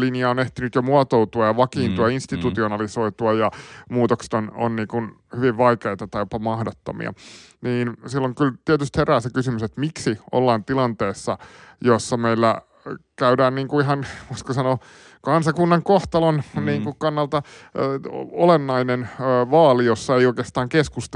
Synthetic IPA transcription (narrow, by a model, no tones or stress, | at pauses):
linjɑoneht̪inyt̪jomuɑot̪owt̪uɑjɑʋɑkiːnt̪uɑinst̪it̪ut̪ionɑlisoit̪uɑjɑmuːt̪okse̥t̪ono̰nniːkun | hyʋiʋʋɑikeit̪ɑt̪ɑjopɑmɑhdot̪ːo̰mḭɑ̰niːnsilːoŋkylt̪iɛt̪yst̪heræːsekysymyset̪miksiʔo̰lːɑːnt̪ilɑnt̪eːsːɑjosːɑmeilːæ̰ | kæydæːnniːŋkuiɦɑnʋoiskosɑno | kɑnsɑkunːɑŋkoht̪ɑlonniːŋkukɑnːɑlt̪ɑ | olenːɑinenːʋɑːlijosːɑeijoikest̪ɑːŋkeskust̪